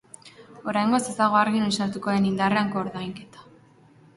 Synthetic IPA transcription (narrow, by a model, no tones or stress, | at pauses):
o̞ɾajŋɡo̞se̞zt̪aɣ̞o̞aɾɣinojsaɾt̪uko̞ðe̞nind̪areaŋkoːɾðajŋke̞t̪ḁ